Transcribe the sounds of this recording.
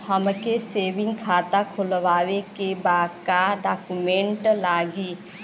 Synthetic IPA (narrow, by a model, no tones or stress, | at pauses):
həmkeseːʋɪ̃ŋɡkʰaːt̪akʰʊlʋaːwekebaːd̪kaɖaːkumẽɳʈlaːɡiː